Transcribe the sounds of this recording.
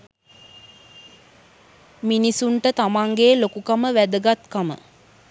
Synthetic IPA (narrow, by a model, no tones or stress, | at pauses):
minisuɳʈət̪amaŋɡeːlokukaməʋæd̪əɡat̪kamə̰